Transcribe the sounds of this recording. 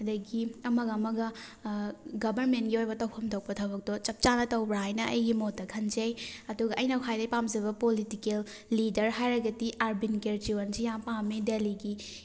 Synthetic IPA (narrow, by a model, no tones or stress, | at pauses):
hɐdɐɡiɐmɐɡɐmɐɡɐ | ɡɐbʱɐɾmentɡiojbɐtɐwpʰɐmtʰok̚pɐtʰɐbɐk̚tɔt͡ʃɐp̚t͡ʃanɐtɐwbɾaɦajnɐʔɐ̰jɡimotːɐkʰɐnzejɐduɡɐʔɐjnɐwkʰajdɐjpamzɐβɐpolitikelː | idɐɾɦajɾɐɡɐtiʔaɾbinkeɾd͡ʒiwɐnsijaŋpamːideliɡi